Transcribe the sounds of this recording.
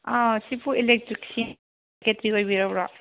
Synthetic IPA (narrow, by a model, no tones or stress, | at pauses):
asipʰuilek̚tɾiksin | ketɾikojbiɾabɾa